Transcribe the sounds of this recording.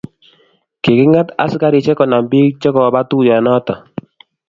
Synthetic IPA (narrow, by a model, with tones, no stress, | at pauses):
ke˨kɪ˦ŋa˦ta̰˨sɪ˦ka˦ɾɪ˨t͡ʃɛ˦kɔ˨na˨mbi˦kt͡ʃɛ˦kɔ˨ba˦tu˦jɔ˨nɔ˦tɔ˨